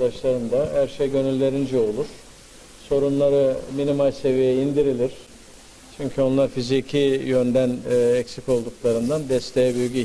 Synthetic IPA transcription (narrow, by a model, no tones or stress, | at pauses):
d̪aʃlˠaɾɯnd̪ahæɾʃejɟø̞nylʲːe̞ɾind͡ʒɛo̞lˠuɾ̥ | so̞ɾunlˠaɾɯminimalʲse̞vijɛind̪iɾilʲiɾ̥ | t͡ʃʰyɲcʰyo̞nlˠaɾfizicʰijø̞nd̪ænːɛcsico̞lˠd̪uklˠaɾɯnd̪and̪ɛst̪ʰejɛbyjɡy